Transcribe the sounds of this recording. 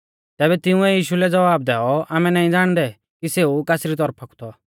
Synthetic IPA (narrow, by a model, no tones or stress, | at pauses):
t̪ɛːbɛt̪ɪʊ̃ɛjiːʃulɛd͡zɐʋaːb̚d̪ɛːɔaːmɛnaːĩd͡zaːɽ̃d̪ɛ | kiseːukaːsɾit̪̬ɔɾpʰɐkʰu̥t̪ʰɔ